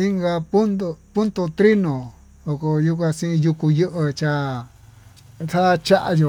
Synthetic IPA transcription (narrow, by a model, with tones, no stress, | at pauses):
i˦ŋɡa˧pu˦no˧pu˦nt̪o˧t̪ɾi˦nõ˨ | o˧ko˧ju˦kʷã˧sĩ˦ĩ˧ju˧ku˧jɨ˦ʔɨ˧t͡ʃa˧ | sa˦˧t͡ʃa˦ʔa̰˧jo˧˨